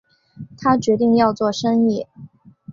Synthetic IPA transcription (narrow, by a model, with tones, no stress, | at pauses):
t̪ʰa˥t͡ɕɥɛ˧˥t̪̬i˥˧ŋjɑ˥˧ʊt͡swɔ˥˩ʂɤ˥ŋi˥˩